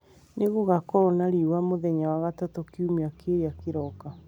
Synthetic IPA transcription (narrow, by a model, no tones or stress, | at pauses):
neɣoɣakɔɾɔnaɾiwamoðɛɲawaɣatatokiumeakeɾeakeɾɔka